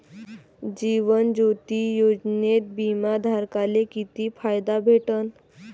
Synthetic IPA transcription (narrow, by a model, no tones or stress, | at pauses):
d͡ʑiʋənd͡ʑot̪ijod͡ʑnet̪̚bimad̪ʱaɾkalekit̪ifʰajd̪abʱeʈən